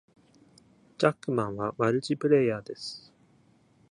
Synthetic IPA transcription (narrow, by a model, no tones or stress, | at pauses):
d͡ʑakːɯ̟mãɰ̃βaβaɾɯ̟t͡ɕipɯ̟ɾe̞jaːd̪e̞sɨ̥